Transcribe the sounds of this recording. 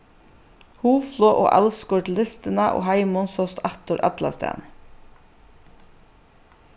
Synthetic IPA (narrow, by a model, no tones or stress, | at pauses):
huːfloːʔo̰ːʔælskɔʈlɪst̪ənɑʔo̰ːhæɪmʊnsɔst̪ɑt̪ʊɾʔɑt̪lɑ̰st̪æ̰ːn